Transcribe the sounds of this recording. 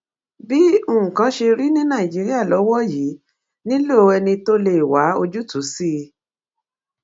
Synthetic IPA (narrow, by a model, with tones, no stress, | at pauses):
bi˦o˦˨ũ˨kã˧˦ʃe˧ɾi˦nĩ˦nã˦˨i˨d͡ʒi˨˦ɾi˦a˦˨lɔ˨˦wɔ˦ji˨˦ | nĩ˦lo˦o˧ɛ˧nĩ˧to˦le˦˨wa˨˦o˧d͡ʒu˦tu˨˦si˦˧